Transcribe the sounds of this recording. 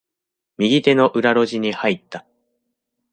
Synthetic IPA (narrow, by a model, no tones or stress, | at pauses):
mʲiɡʲit̪e̞no̞ʔɯ̟ɾaɾo̞ʑiɲ̟ihait̪ːa